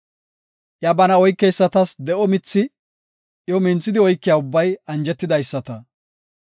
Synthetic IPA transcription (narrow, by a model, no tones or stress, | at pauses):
ʔjɐbɐnɐɔjkːɛjsːɐt̪ɐsd̪ɛʔɔmɪt͡sːɪ | jɔmɪnt͡sːɪd̪ɪɔjkːɪjaːʊbːɐjɐnd͡ʒɛt̪ːɪd̪ɐjsːɐt̪ɐ